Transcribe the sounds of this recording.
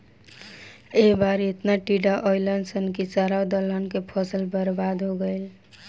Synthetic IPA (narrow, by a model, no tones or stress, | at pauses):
ebaɾet̪naʈiɖaʔɔjlənsənkit͡ʃaɾad̪ələnkepʰɔsəlbəɾbad̪ɦoɡəjl